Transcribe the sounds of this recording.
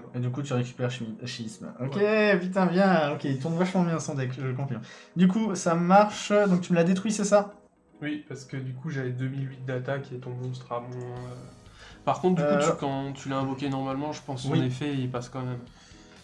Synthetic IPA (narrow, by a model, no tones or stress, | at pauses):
ed̪ykut̪yʁekʲy̥pɛʁʃʃimismɔkʲepit̪̬ɛ̃vjɛ̃ɔkʲeilt̪uʁnvaʃmɑ̃bjɛ̃ɑsɑ̃d̪aɛkəkɔ̃pinɔ̃d̪ykusamaʁʃd̪ɔ̃k̚t̪yməlad̪et̪χɥisɛsa | wipaʁsə̥kəd̪ykuʒavɛd̪ømilɥit̪̚d̪at̪akʲiɛt̪ɔ̃mɔ̃s̬t̪χamwɛ̃øpaʁkɔ̃t̪χd̪yukɑ̃t̪ʰylaɛ̃vɔkʲenɔʁmalmɑ̃ʒəpɑ̃swinefɛipaskɑ̃mɛm